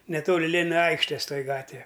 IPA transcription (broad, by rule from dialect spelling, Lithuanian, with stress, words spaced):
nʲɛˈtoːlʲɪ ˈlʲeːnʲɪnɐ ˈɐɪkʃʲtʲeːs ˈtoːjɪ ˈɡɑːtʲʋʲɛ